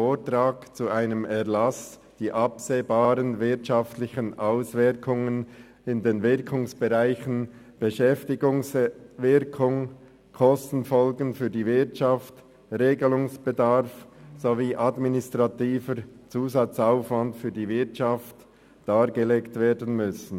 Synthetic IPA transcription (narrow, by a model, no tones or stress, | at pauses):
oːtʁaːkt͡suʔaɪnəmɛɐlɑs | d̥iːʔɑpseːbaːɾənvɪɐtʃɑftlɪçənʔaʊsvɪɾkʰʊŋən | ɪndeːnvɪɾkʰʊŋsb̥ɛʁaɪçən̩ | b̥ɛʃɛftɪɡʊŋsvɪɾkʰʊŋ | kʰɔstn̩fɔlɡən̩fyːɐdiːvɪɐtt͡ʃɑft | ʁeːɡəlʊŋsb̥edɑɾfz̥oviːʔɑdminɪstʁɑtiːfəɾt͡suːzɑt͡saʊfvɑntfyːɐdiːvɪɐtt͡ʃɑft | d̥aːʁɡəleːktv̥eːdən̩mʏsn̩